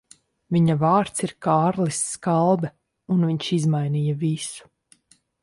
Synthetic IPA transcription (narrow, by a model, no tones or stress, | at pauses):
viɲavaːɾt̪siɾkaːɾlisːkalˠbɛ | unviɲʃizmajniːjɐvisu̥